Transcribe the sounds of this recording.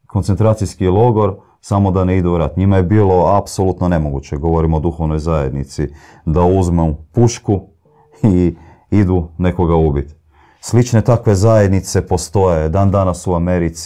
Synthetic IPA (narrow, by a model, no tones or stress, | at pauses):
kont̪sent̪ɾaːt̪sijskilo̞ɡo̞ɾ | samo̞d̪aneid̪uuɾat̪ɲimaje̞biːlo̞apso̞lˠut̪none̞mo̞ɡut͡ɕeɡo̞ʋo̞ɾimod̪uxo̞ʋno̞jzaje̞d̪nit̪si | d̪auzmepuʃku | i | id̪une̞ko̞ɡaubit̪ | slit͡ʃne̞t̪akʋe̞zaje̞d̪nit̪se̞po̞st̪o̞jed̪aːnd̪anasuameɾit̪s